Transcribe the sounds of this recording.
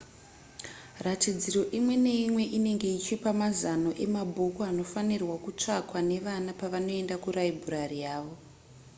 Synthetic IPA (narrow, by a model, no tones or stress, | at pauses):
ratid͡ziɾo̞ʔimwe̞ne̞imwe̞ʔine̞ŋɡe̞it͡ʃipamazanoʔe̞mabʱokoano̞fanirwakut͡ʂakwane̞ʋanapaʋano̞e̞ndakuɾaibʱuɾarijaːʋo̞